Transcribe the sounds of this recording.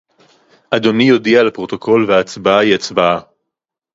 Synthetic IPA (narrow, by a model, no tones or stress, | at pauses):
ʔad̪o̞nijo̞dialapʁo̞t̪o̞ko̞lveaːt͡sbaaiat͡sbaa